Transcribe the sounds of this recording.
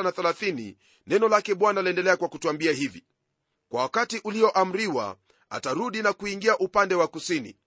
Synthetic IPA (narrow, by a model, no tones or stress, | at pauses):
naθɛlaθinḭ | nɛnɔlakɛɓwanaliɛndɛlɛakwakutuambiahivḭ | kwawakatiʔuliɔʔam̩ɾiwa̰ | a̰taɾuɗinakuiŋɡiaʔupandɛwakusinḭ